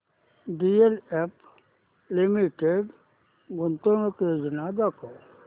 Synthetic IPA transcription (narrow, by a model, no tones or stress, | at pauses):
ɖielep | limiʈeɖ | ɡʊnt̪onoked͡ʒnad̪ako